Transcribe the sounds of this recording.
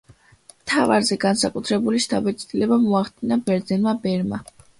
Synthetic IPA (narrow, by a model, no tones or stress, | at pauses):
mt̪ʰava̰ɾzɛɡansakʼut̪ʰɾɛbuliʃt̪ʰʼabɛt̪sʼt̪ʼilɛbamuaχd̪inabɛɾd̪zɛnmabɛɾma